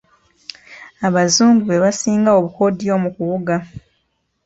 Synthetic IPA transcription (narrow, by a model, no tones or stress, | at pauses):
aβazuːmɡuβe̞βasiːŋɡao̞βuko̞dijo̞ːmukuwuɡa